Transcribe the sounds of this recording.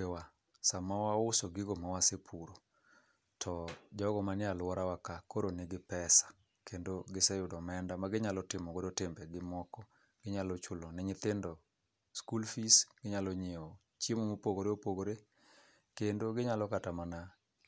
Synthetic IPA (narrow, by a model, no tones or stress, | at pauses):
ewa | samawaʊsoɡɪɡomawasepʰuɾo | tʰɔd͡ʒɔɡɔmanɪalwɔɾawakakoɾonɪɡɪpɛsḁ | kʰendoɡɪsɛjʊdɔmɛndamaɡɪɲalɔtɪmɔkodotɪmbɛɡɪmɔkɔ | ɡ̥ɪɲalɔt͡ʃʊlonɛɲɪt̪ɪndɔ | skulfisɡ̥ɪɲalɔɲeo | t͡ʃjemomopoɡoɾeopoɡoɾe | kendoɡɪɲalɔkatamana